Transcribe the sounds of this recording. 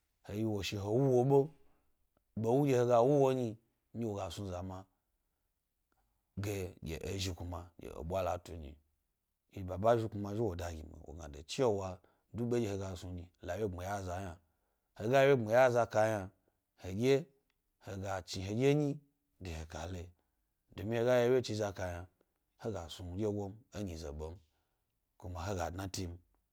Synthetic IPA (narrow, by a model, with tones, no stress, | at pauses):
he˨ji˦wo˨ʃi˧ɦo˨wu˦wo˧ɓo˦ | bo˨wu˦ɡʲe˧he˧ɡa˧wu˦wo˦ɲi˧ | ɲi˦wo˨ɡa˨su˧za˨ma˧ | ɡe˨ɡʲḛ˨ʔo˨ʒi˧ku˧ma˨ɡʲḛ˨o̰˨ɓʷa˦la̰˨tṵ˨ɲḭ˨ | ɡe˨ba˨ba˦ʒi˧ku˧ma˧˦ʒi˦wo˨da˨ɡʲḭ˨mḭ˨wo̰˨ɡa̰˨do˨t͡ʃi˦o˦wa˧ | du˦ɓe˦ɡʲe˦he˨˧ɡa˨su˧ɲi˨la˨we˦ŋ͡mi˨ja˦za˨ja˨ | he˨ɡa˦je˦we˦ŋ͡me˨ja˦za˧ka˧ja˧ | he˨ɡʲe˦ | he˨ɡa˨t͡ʃi˨ɦe˨ɡʲe˦ɲi˦ | de˨he˨ka˨le˨ | do˨mi˦he˧ɡa˦je˦wje˦t͡ʃi˧za˧ka˧ja˨ | he˦ɡa˨su˨ɡʲe˦ɡo˦me˦ɲi˨zḛ˨ɓo˨m | ku˨ma˨ɦe˦ɡa̰˨dna˦ti˦m̩˦